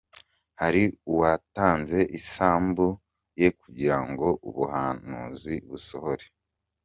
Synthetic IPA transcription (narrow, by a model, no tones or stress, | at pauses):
haɾiuwataːnze̞ʔisaːmbu | je̞kuɟiɾaŋɡo̞ʔuβuhanṵːziβuso̞hoɾe